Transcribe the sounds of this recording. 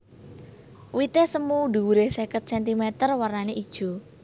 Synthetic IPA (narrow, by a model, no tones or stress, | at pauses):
wit̪esəmud̪ṳwuɾehsekət̪̚sɛnt̪imɛt̪ərwarnaneʔid̥ʒ̥ɔ̤